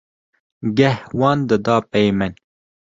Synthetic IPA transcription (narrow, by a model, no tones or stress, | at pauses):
ɡɐhwɑːnd̪əd̪ɑːpejmɐn